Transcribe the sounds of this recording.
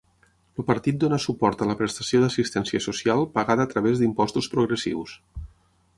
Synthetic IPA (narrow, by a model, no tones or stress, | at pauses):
lupəɾt̪it̪̚d̪onəsupɔɾt̪ələpɾəst̪əsioðəsist̪ɛnsiəsusialˠpəɣaðəːt̪ɾəβ̞ezd̪impɔst̪uspɾuɣɾəsḭws